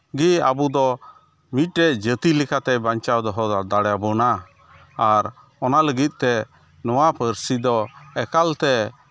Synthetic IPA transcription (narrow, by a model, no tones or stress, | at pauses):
ɡiabud̪ɔ | mit̪̚ˀɾɛʔd͡ʒət̪ilikʰat̪ɛbaɲt͡ʃawd̪ɔɦɔd̪aɽjabɔnaː | ɾ | ɔnaləɡit̪̚ˀt̪ɛ | nɔwapəɾsid̪ɔɛkalt̪ɛ